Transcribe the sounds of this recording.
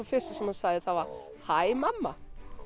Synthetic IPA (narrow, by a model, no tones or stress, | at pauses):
ɔfɪst̪əsɔmhansaːðəθawvaɾ | haɪmamːa